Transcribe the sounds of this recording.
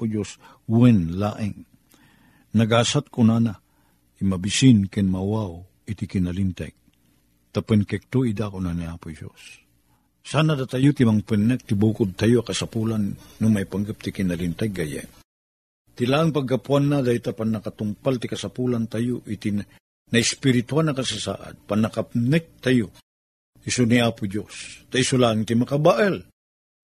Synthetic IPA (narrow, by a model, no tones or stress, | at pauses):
ʊd͡ʒos | wɛnlaʔɪŋ | nɐɡasat̪̚kʊnana | imɐbisinkɛnmawaw | ɪt̪ikɪnalint̪a̰ɡ̚ | t̪apɛnkɛk̚t̪oid̪akʊnaniapʊd͡ʒo̰s | saːnad̪at̪ajot̪imaŋpɛnːɛk̚t̪ɪbuːkʊd̪̚t̪ajoakɐsapuːlanːʊmajpaŋɡəp̚t̪ɪkinɐlɪnt̪ɛɡajɛ̰ | t̪ɪlaʔaŋpaɡ̚kːapwanːad̪aːit̪apanːɐkat̪ʊmpalt̪ɪkɐsapulant̪ajoʔit̪in | nɐɪspɪɾɪt̪ualnɐkasasa̰ːʔa̰d̪̚panɐkapnɛk̚t̪ajo | isoniaːpʊd͡ʒost̪aisulaʔaŋt̪ɪmɐkabaʔɛl